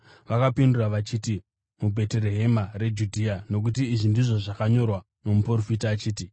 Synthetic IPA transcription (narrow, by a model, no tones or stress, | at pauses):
ʋakapinduraʋat͡ʃiːti | mubʱe̞teɾe̞ɦe̞mare̞d͡ʒudʱiano̞k̬utiːʐindiʐo̞ʐakaɲo̞rwa | no̞muporofitaːt͡ʃiːti